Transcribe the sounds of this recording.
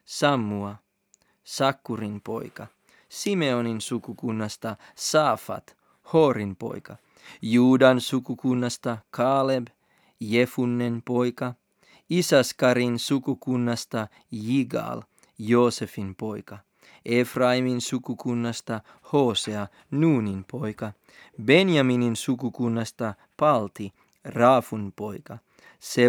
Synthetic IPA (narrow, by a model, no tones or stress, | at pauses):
sɑmːuɑ | sɑkːuɾinpo̞̰jkɑ | sime̞oninsukukunːɑst̪ɑsɑːfɑ̰t̪ | ho̞ːɾimpo̞̰jkɑ | juːdɑnsukukunːɑst̪ɑkʰɑːleb | jefunːenpo̞jkɑ | isɑskɑɾinsukukunːɑst̪ɑ | jiɡɑ̰l | jo̞ːse̞finpo̞jkɑ | efrɑiminsukukunːɑst̪ɑ | ho̞ːseɑ | nuːninpʰo̞jkɑ | be̞njɑmininsukukunːɑst̪ɑ | pɑlt̪i | rɑːfunpo̞jkɑ | se